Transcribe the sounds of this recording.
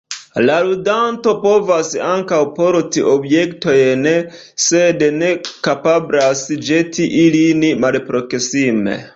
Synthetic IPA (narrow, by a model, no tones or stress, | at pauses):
laludanto̞po̞vasaŋkawpo̞ɾtiʔo̞bje̞kto̞jn | sedne̞kapablasd͡ʒetʰiʔilinimalpɾo̞ksime̞̰